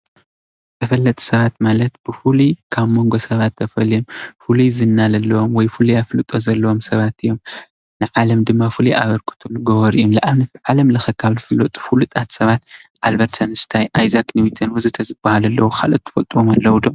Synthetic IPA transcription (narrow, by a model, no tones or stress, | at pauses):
t̪ʰɐfɐlːɐt̪ʼu̥sɐβat̪malɐt̪b̥ɨfulukʰaβmo̞ŋɡo̞sɐβat̪ʰːɐfɐlijomfuluzɨnːalɐlːɐwomwɔjfuliaflɨt̪ʼozɐlːɐwomsɐβat̪ɨjːo̞m | nɨʕalɐmd̪ɨmːafulua̰βɐɾkʰɨ̥t̪ʰulɡɐwɐɾijomlɐʔaβnɐt̪̚ɨʕalɐmlɐxɐkʰaβlɨfɨlot̪ʼfulut̪ʼat̪sɐβat̪ʔalbɐɾt̪ʰɐnɨst̪ʰajʔajzakniwit̪ʰɐnwɨzɨt̪ʰɐzɨbːahalɐlːɐwukʰa̰lot̪ʰːɨ̥fɐt̪ʼwomalːɐwud̪om